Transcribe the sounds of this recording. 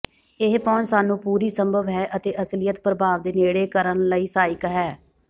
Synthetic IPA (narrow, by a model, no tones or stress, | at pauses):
ɪɦpɔːnsaːnũːpuːɾiːsəmbʱəʋɦɛːʔət̪eːʔəslɪjət̪pɾəbʱaːʋd̪eːneːɽeːkəɾənləiːsaːɪkɦɛː